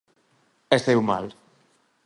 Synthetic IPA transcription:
est̪ewma̰l

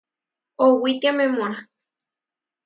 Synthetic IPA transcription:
owit̪jamemona

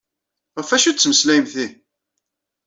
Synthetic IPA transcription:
ʁəfæʃut͡sːməslæjmθi

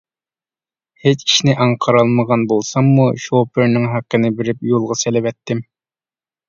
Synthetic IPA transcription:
het͡ʃʰi̥ʃnɪʔɑŋqʰəɾɑlˠməʁɑnbolˠsɑmːuʃopɪɾnɪŋɦæqːənɪbɪɾɪp̚jolˠʁɑselɪvɛt̪ʰːɪm

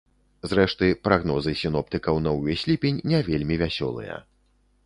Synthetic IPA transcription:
zɾɛʂt̪ɨpɾaɣnɔzɨsʲinɔpt̪ɨkɐwnɔwʲɛsʲlʲipʲenʲːɛvʲelʲmʲivʲasʲɔ̰lˠɨ̰jɐ̰

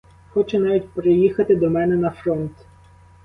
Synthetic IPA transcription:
xɔt͡ʃɛnɑʋʲitʲpɾɪjixɐt̪ɪd̪ɔmɛnɛnɐfɾɔnt̪

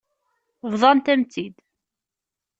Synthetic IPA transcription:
vðˤɑnt̪æmt͡s̪ːid̪

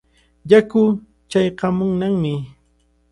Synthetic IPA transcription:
jakʊ | t͡ʃajqɑmʊŋnaŋmɪ

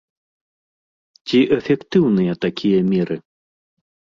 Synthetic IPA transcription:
t͡sʲiʔɛfʲɛkt̪ɨwnɨjɐt̪akʲijɐmʲɛɾɨ

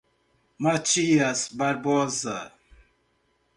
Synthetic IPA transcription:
mat͡ʃiasbaɾbɔza

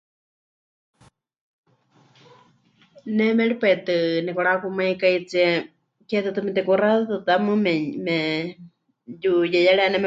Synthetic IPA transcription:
nɛmɛɺipaɛt̪ɨnɛkɔɺakumajkait͡siɛ | kɛt̪ɨt̪ɨmɛt̪ɛkuraðat̪ɨt̪amɨmɛɲmɛ | jujɛjaɺɛanɛmɛ

